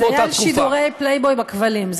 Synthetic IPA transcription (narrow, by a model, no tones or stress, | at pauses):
jaalʃid̪uʁejplejbojbakvalimz